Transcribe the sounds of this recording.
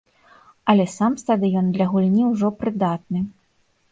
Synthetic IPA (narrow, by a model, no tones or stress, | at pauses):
ɐlʲɛsamst̪ad̪ɨjɔnd̪lʲɐɣulʲnʲiwʐɔpɾɨd̪at̪̚nɨ